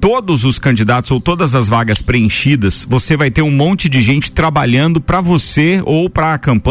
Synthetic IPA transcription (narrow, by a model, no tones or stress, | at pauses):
t̪od̪ʊzʊskɐ̃d͡ʒid̪at̪ʊz̥owt̪od̪ɐzɐzvaɡɐspɾeẽʃid̪ɐsvosevajt̪eɾũmõnt͡ʃɪd͡ʒɪʒẽnt͡ʃɪ̥t̪ɾabaʎɐ̃nd̪ʊpɾɐvoseowpɾɐːkɐ̃mpɐ̃